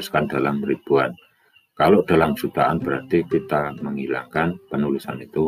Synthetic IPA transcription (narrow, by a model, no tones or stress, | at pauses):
skandalamɾib̥uan | kalod̥a̤lamsut̪aʔanb̥əɾart̪it̪it̪aməŋila̰ŋkanpənulisanit̪u